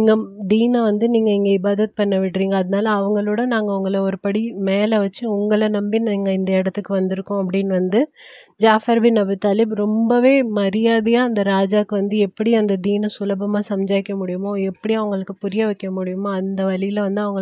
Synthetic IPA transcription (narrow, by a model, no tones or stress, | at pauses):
ŋɡɐd̪iːnɐ̃ʋɐnd̪ɯniːŋɡɐɪŋɡɐɪbaːðɐt̪̚pɐɳːɐʋɪʈːɾiːŋɡɐːðɐnaːlɐːʋɐŋɡɐɭoːɽɐnaːŋɡɐʊŋɡɐɭɐɔɾɯpɐɽimeːlɐʋɐt͡ʃːɯʊŋɡɐɭɐnɐmbiniːŋɡɐɪnd̪ɐɛɽɐt̪ːɯkːɯʋɐnd̪ɪɾɯkːʊ̃ɐpːɐɽɪnːʋɐnd̪ɯ | d͡ʒaːfɐɾbɪnɐbɯt̪ɐlɪbɾɔmbɐʋeːmɐɾɪjaːðɯjãːɐnd̪ɐɾaːd͡ʒaːkːɯʋɐnd̪ɯɛpːɐɽiɐnd̪ɐd̪iːnɐ̃sʊlɐbɐmaːsɐmd͡ʒaːjɪkːɐmʊɽɪjɯmoːɛpːɐɽiɐʋɐŋɡɐɭɯkːɯpʊɾɪjɐʋɐkːɐmʊɽɪjɯmoɐnd̪ɐʋɐɭɪjɪlɐʋɐnd̪ɯɐʋɐŋɡɐɭ